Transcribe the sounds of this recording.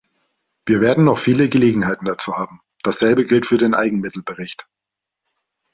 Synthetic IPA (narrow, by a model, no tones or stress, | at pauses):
v̥iːɐveːɐdn̩nɔχfiːləɡəleːɡŋ̩haɪtn̩d̥at͡suːhaːbm̩ | d̥asz̥ɛlbəɡɪltfyːɐdeːnʔa̰ɪɡŋ̩mɪtl̩bəʁɪçt